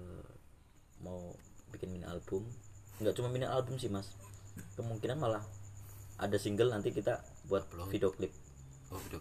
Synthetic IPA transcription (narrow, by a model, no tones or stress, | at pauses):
maubikɪnminɪʔa̰lbʊmŋɡaʔt͡ʃumaminɪʔalbʊmsɪhmaskəmuŋkinanmalah | ʔa̰dasiŋɡəlnant̪ikit̪a | buat̪̚fidioklɪp̚